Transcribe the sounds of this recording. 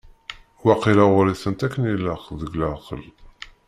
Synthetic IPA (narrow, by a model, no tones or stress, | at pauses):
waqilaʁʊɾiθənt̪ækːənilːəχðəɡlaqə̰l